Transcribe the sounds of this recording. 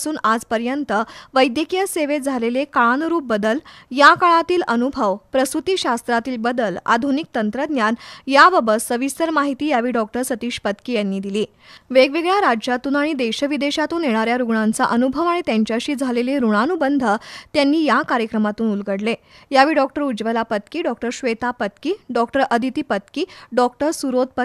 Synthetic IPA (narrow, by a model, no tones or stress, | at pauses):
suːnad͡zpəɾjənt̪əʋəjd̪jəkijəseʋed͡zʱalelekaɭanɾuːp̚bəd̪əljakaɭat̪iːlənubʱəʋpɾəst̪ɾut̪iːɕast̪ɾat̪iːlbəd̪əla̰d̪ʱunik̚t̪ənt̪ɾəd̪njanjaʋəbəsəʋist̪əɾmaɦit̪iːjaʋiːɖɔk̚ʈəɾsət̪iːɕpət̪kiːjanːiːd̪iliː | ʋeɡʋeɡɭjaɾajat̪uːnaɽ̃id̪eɕəʋid̪eɕat̪uːneɭ̃aɾjaɾuɡɳant͡sa̰ʔənubʱəʋaɽ̃it̪jaɲt͡ɕjaɕiːd͡zʱaleleɾuɽ̃anubənd̪ʱət̪janːiːjakaɾjəkɾəmat̪uːnulɡəɽlejaʋiːɖɔk̚ʈəɾud͡ʑʋəlapət̪kiːɖɔkʈəɾɕʋet̪apət̪kiːɖɔkʈəɾʔəd̪ʱit̪iːpət̪kiːɖɔkʈəɾsuɾod̪̚pə